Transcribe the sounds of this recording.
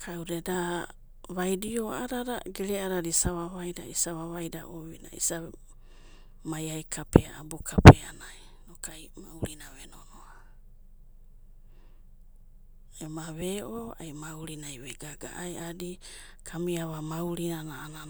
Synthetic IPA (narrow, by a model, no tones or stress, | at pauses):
kʰawɾeda | βajdioaɾaɾaɡeɾeaɾaɾisaβaβajdaisaβaβajda̰ʔoβina̰ḭsa | majajkʰapʰea̰abukʰapʰeanaj | nokajmauɾinaβenonoa | emaβeʔoa̰jmauɾinajβeɡaɡa̰ʔajadi | kʰamiaβamawɾinanaːna